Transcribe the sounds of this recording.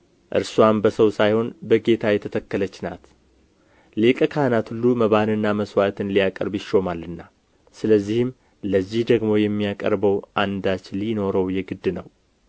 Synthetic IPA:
ʔɨ̰ɾswambəsəwsajho̞nbəɡe̞t̪ʰajɛt̪ʰət̪ʰəkːələt͡ʃːna̰t̪ | lekʼəkʰahnat̪hulːuməβanɨnːaməswat̪ʰɨnlijakʼə̰ɾbjɪʃo̞malːɨnːa | sɨləzːihɪm | ləzːihd̪əɡmo̞jɛmːijakʼə̰ɾbəwʔand̪at͡ʃːlino̞ɾəwjɛɡɨd̪ːnəw

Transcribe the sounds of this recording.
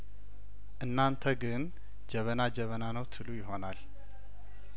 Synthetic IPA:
ʔɨnːant̪ʰəɡɨn | d͡ʒɛβənad͡ʒɛβənanəwt̪ʰɨlujɪɦo̞nal

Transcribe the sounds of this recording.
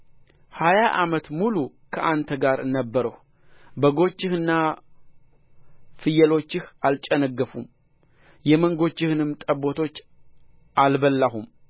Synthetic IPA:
hajaʔamət̪mulu | kʰəʔant̪ʰəɡaɾnəbːəɾəh | bəɡo̞t͡ʃːɪhɨnːa | fɨjɛlo̞t͡ʃːɪhalt͡ʃʼənəɡːəfum | jɛməŋɡo̞t͡ʃːɪhɨnɨmt̪ʼəbːo̞t̪ʰo̞t͡ʃː | ʔalbəlːaɦum

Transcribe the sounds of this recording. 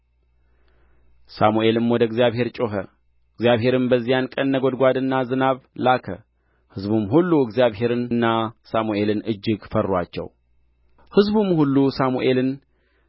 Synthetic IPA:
samuʔe̞lɨmwɔd̪əɡzijaβhe̞ɾt͡ʃʼoɦə | ɨɡzijaβɦe̞ɾɨnbəzːijankʼənːəɡod̪ɡʷad̪ɨnːazɨnaβlakʰə̰ | hɨzbumɦulːuɨɡzjaβɦe̞ɾɨnɨnːasamuʔe̞lɨnɨd͡ʒːɪɡfərːwa̰t͡ʃːɛ̰w | hɨzbumhulːusamuʔe̞lɨn

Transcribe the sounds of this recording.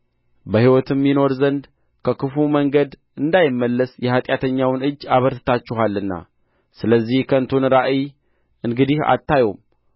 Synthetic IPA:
bəhiwɔt̪ʰɨmːino̞ɾzənd̪ | kʰəkʰɨfuməŋɡəd̪ | ɨnd̪ajɪmːəlːəsjɛhat̪ʼjat̪ʰəɲːawnɨd͡ʒːaβəɾt̪ɨt̪ʰat͡ʃːɛɦalːɨnːa̰ | sɨləzːihkʰəɨnt̪ʰunɾaʔi | ɨŋɡɨd̪iha̰t̪ʰːajom

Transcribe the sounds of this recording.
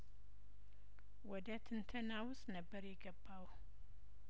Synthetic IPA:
wɔd̪ət̪ʰɨnt̪ʰənawʊst̪nəbːəɾjɛɡəbːaw

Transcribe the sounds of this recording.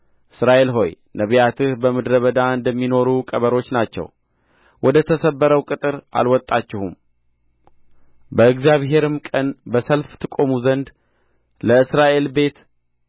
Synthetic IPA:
ʔɨsɾaʔe̞lɦo̞j | nəβjat̪ʰɨhbəmɨd̪ɾəβəd̪aɨnd̪əmːino̞ɾukʼəβəɾo̞t͡ʃːnat͡ʃːɛ̰w | wʔɔd̪ət̪ʰəsəbːəɾəwkʼɨt̪ʼɨɾa̰lwɔt̪ʼːat͡ʃːɪhum | bəɨɡzjaβɦe̞ɾɨmkʼənbəsəlft̪ʰɨkʼo̞muzənd̪ | ləɨsɾaʔe̞lbe̞t̪

